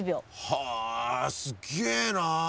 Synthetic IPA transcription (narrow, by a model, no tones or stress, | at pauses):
bʲjoha | sɨɡeːna